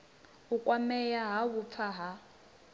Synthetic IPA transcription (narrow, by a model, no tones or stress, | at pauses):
ukʼwamɛjaɦaβup̪fʰaɦa